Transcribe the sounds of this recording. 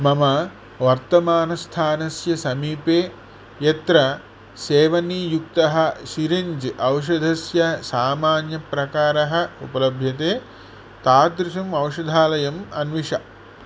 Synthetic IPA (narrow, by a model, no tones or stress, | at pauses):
mɐmɐ | ʋɐɾt̪ɐmaːnɐst̪ʰaːnɐsjɐsɐmiːpeː | jɐt̪ɾɐ | seːʋɐniːjuk̚t̪ɐɦɐ̆ʃiɾiɲd͡ʒʔɐwʃ̬ɐd̪ʱɐsjɐsaːmaːnjɐpɾɐkaːɾɐɦɐ̆upɐlɐbʱjɐt̪eː | t̪aːtd̪ɾiʃɐmɐwʃɐd̪ʱaːlɐjɐmɐ̰nʋiʂɐ